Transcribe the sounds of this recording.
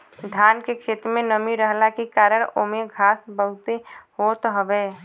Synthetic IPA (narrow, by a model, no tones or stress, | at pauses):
d̪ʱjaːnkekʰeːt̪ɾmẽnəmiɾəɦlakikaːɾəɾomeɡʱaːsbəɦʊt̪ehoːt̪ɦəʋeː